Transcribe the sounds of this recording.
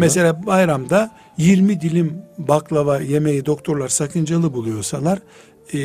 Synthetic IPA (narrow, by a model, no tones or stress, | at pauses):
mese̞lʲaːbajɾamd̪a | jiɾmid̪ilʲimbaklˠavaje̞me̞jid̪o̞k̚t̪ʰo̞ɾlˠaɾsakʰɯnd͡ʒalˠɯbulˠujo̞ɾsalˠaɾ